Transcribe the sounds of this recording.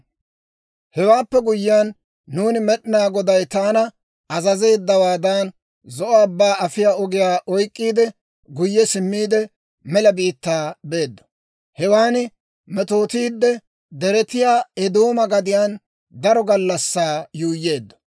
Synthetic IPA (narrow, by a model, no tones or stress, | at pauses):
hɛwaːpːɛɡʊjːɪjanː | uːnɪmɛɗɪnaːɡɔd̪ɐjt̪aːnɐ | ɐzɐze̞ːd̪ːɐwaːd̪aːn | zɔʔɔɐbːaːɐfɪjaːɔɡɪjaːʔɔjkʼːiːd̪ɛ | ɡʊjːɛsɪmːiːd̪ɛ | mɛlɐbiːt̪ːaːbe̞ːd̪ːɔ̥ | hɛwaːnɪ | mɛt̪o̞ːt̪iːd̪ːɛ | d̪ɛɾɛt̪ɪjaːɛd̪o̞ːmɐɡɐd̪ɪjaːn | d̪ɐɾɔɡɐlːɐsːaːjuːjːe̞ːd̪ːɔ̥